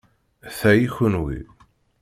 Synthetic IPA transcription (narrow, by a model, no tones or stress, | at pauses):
θæjiçənwḭ